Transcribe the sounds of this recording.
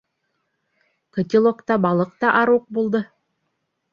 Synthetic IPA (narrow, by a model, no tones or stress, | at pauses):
kɤ̆t̪ʲilˠokt̪ɑbɑlˠɤq̚t̪ɑʔɑɾuq̚bulˠd̪ɤ